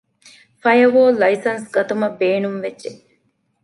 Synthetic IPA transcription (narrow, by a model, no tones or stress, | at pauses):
fɐjɐʋoːlɐisɐnsɡɐt̪umɐbeːnumʋedd͡ʒe